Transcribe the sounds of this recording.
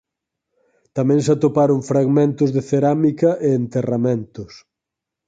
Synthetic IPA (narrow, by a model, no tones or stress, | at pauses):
t̪amɛ̃ŋs̬at̪opaɾoŋfɾaɣmẽnt̪ʊzðeθeɾamikɐʔeːnt̪eramẽnt̪ʊs